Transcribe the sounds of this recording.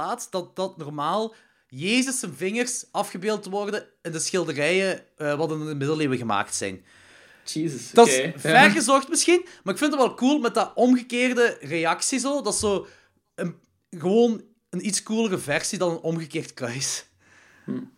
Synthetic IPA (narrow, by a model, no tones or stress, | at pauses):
aːtdɑt̚d̥ɑtnɔrmaːlˠ | jeːzəsːənvɪŋərsɑfxəbeːlˠtʋɔrdəɛndəsxɪlˠdərɛjəʋɑtɪnəmɪdəleːwəɣəma̰ːktsɛ̰jn | izəsdɑvɛrɣəzɔxtmɪsxinmaːɪkfɪntɑtʋɛlˠkulˠmɛt̚dəʔɔmɣəkeːrdəreɑksizoːdɑsoː | ən | ɣəʋoːn | ənitskulˠərəvɛrsidɑnənɔmɣəkeːrtkrœɥs